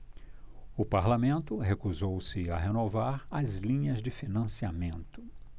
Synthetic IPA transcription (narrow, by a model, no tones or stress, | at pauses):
ʊpaɾlamẽnt̪ʊɦekuzowsɪɐɦenovaɾɐzlĩɲɐzd͡ʒɪfinɐ̃siamẽnt̪ʊ̥